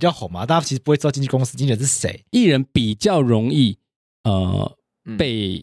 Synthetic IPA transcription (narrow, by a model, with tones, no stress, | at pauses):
i˨˩t͡ɕjɑ˥˨ʊxɑ˨˩ma˨˦t̪a˥˩˧a˥t͡ɕʰi˧pwe˥˩˧ɑ˥˧t͡ɕʰko˥ŋsɨ˥t͡ɕi˥n˥˧ə˧˦nʂ̬ɻ̩˥˩sḛ˨˦ɪi˥˩ɻə˧˦npi˨˩t͡ɕjɑ˥˨ʊɻo˧˦ŋi˥˧ | ə̰˨˩ | pe˥˩ɪ